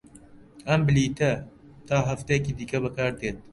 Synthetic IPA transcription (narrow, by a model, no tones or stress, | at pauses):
ʔɐmbɪliːt̪ɐ | t̪ʰaːɦɐft̪ɐjekiːd̪iːkɐbɐkaːɾd̪eːt̪̚